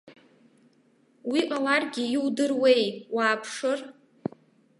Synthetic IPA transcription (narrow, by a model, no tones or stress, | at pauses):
wiʔalarɡʲiwdɨrwe̞jwaːpʰʂɨr